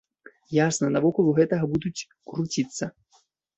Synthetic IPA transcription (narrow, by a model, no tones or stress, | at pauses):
jasnɐnɐvɔkuuɣɛt̪ɐɣɐbud̪ut͡sʲ | kɾut͡sʲit̪sːɐ